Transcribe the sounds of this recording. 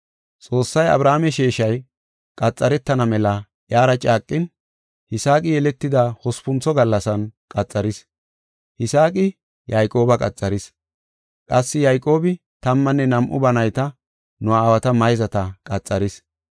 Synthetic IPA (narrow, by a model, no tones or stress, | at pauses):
t͡sʼo̞ːsːɐjɐ̰bɾaːmɛʃeːʃɐj | kʼɐt͡sʼːɐɾɛt̪ːɐnɐmɛlɐ | jaːɾɐt͡ʃʼaːkʼːɪn | hɪsaːk̬ʼɪjɛlɛt̪ːɪd̪ɐhɔspʊnt͡sɔɡɐlːɐsɐnkʼɐt͡sʼːɐɾɪs | hɪsaːkʼɪ | jajkʼo̞ːbɐkʼɐt͡sʼːɐɾɪs | kʼɐsːɪjɐjkʼo̞ːbɪ | t̪ɐmːɐnːɛnɐmʔʊ̰bɐnɐjt̪ɐ | nʊaːwɐt̪ɐmɐjzɐt̪ɐkʼɐt͡sʼːɐɾɪs